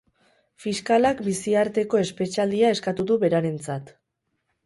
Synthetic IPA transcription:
fiskalakbisiaɾt̪e̞ko̞e̞spe̞t͡ʃald̪iae̞skat̪uðuβe̞ɾaɾe̞nt͡sat̪

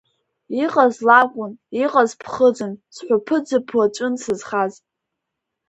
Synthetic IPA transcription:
iqʼazlakʷʼʊniqʼazpʰχəd͡zɨnsħʷapʰɨd͡zɨpʰwat͡ʃʷʼɨnsɨzχaz

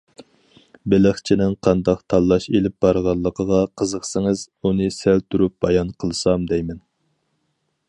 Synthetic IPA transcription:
bɪləχt͡ʃʰinɪŋqʰɑnd̪ɑqt̪ʰɑlˠːɑʃelɪp̚b̥ɑɾʁɑlˠːəqʰəʁɑqʰəzəχsɪŋɨz̥ | unɨsælt̪ʰuɾup̚b̥ɑjɑnqʰəlˠsɑmd̪ɛjmɛn

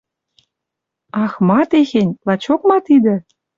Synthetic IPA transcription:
ɑxmɑt̪exĕnʲlɑt͡ɕok̚mɑt̪id̪ĕ

